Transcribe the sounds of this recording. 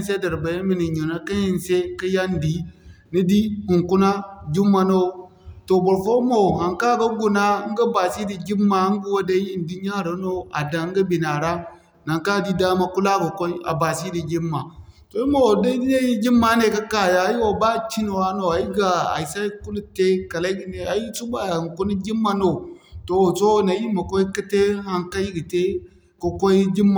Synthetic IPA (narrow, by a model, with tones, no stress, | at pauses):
n˦se˦da˨ɾba˨je˦mi˨ni˨ɲo˨na˦ka˦i˦˨n˨se˦ka˦ja˦n˦di˨˦ | ni˦di˦hu˨ŋku˦na˦d͡ʒu˦mːa˨no˦˨ | to˨bo˨ɾfo˦mo˨ha˨ŋka˦˨ɡa˦ɡu˨na˦ŋ̩˦ɡa˦ba˨si˦di˨d͡ʒi˦mːa˨˦ŋ˦ɡu˦wa˦da˦ji˦n˨du˦ɲ˦a˦˨ɾa˨˦no˦a̰˨da˨˦ŋ̩˦ɡa˦bi˨na˨ɾa˦ | na˨ŋka˦˨di˦da˦ma˦ku˦la˦ɡa˨ko˦i˦a̰˨ba˨si˦di˨d͡ʒi˦mːa˨to˨i˦ma˨wo˨da˦di˦na˦ji˦d͡ʒi˦mːa˦ne˨ka˦ka˨ja˨˦ji˦wa˨ba˦˨t͡ʃi˦ni˨wa˦no˨a˨ji˦ɡa˨a̰˨i˨sa˦i˦ku˦lu˦te˦ka˨la˦i˦ɡi˨ne˨a˨ji˦su˦ba˨a˨ku˦ni˦ɡi˦mːa˨no˨to˨wso˦na˨ji˦ma˨ko˦i˦ki˦te˦ha˨ŋka˦ji˦ɡi˨te˦ | ko˨ko˦i˦ɡʲi˦mːa˨